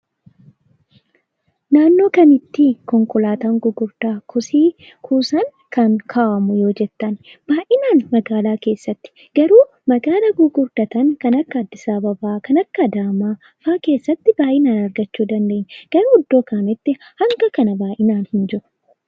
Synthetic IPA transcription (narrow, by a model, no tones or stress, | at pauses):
naːnːo̞ːkɐnɪt̪ːikɔŋkɔlaːt̪aːŋɡʊɡʊɾt̪aːkʰʊsiː | kʰuːsɐŋ | kɐŋkʰaːʔɐmʊjo̞ːd͡ʒɛt̪ːɐnb̥aːʔɪnaːnmɐɡaːlaːke̞ːsːɐt̪ːɪ̥ | ɡɐɾuː | mɐɡaːlɐɡʊɡʊɾt̪ɐt̪ɐŋkɐnɐkːɐːd̪ːɪsaːbɐbaːkɐnɐkːɐd̪aːmaː | faːke̞ːsːɐt̪ːɪbaːʔɪnaːnɐɾɡɐt͡ʃːuːd̪ɐnd̪e̞ːɲːɡ̥ɐɾuːʊd̪ːo̞ːkaːmɪt̪ːɪhɐŋɡɐkɐnɐbaːʔɪnaːnhɪnd͡ʒɪɾʊ̥